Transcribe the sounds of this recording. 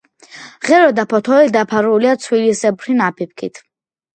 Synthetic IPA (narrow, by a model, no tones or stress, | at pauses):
ʁɛɾɔd̪apʰɔt̪ʰɔɛd̪apʰaɾuliat̪sʰwilisɛbɾinapʰip̚kʰḭt̪ʰ